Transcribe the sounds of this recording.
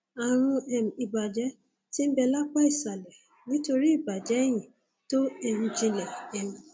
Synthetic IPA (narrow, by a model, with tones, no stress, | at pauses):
a˨ɾ̃ũ˧ɛ˨m˨i˨ba˨d͡ʒɛ˨˦ | ti˦m̩˦bɛ˧la˦k͡pa˦i˦˨sa˨lɛ˨ | nĩ˦to˧ɾi˦i˦˨ba˨d͡ʒɛ˨˦j̃ĩ˨ | to˦ɛ˧ñ̩˦d͡ʒĩ˧lɛ˨ɛ˨m̩̃˨